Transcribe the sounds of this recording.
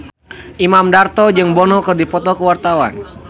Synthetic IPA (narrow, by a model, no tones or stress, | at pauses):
ʔimamdart̪ɔd͡ʒɨŋbɔnɔkərdipɔt̪ɔkəwart̪awa̰n